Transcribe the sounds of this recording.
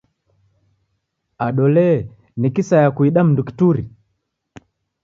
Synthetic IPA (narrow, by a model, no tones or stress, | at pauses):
aɗɔlɛ | nikisajakuiɗam̩nduki̥tuɾi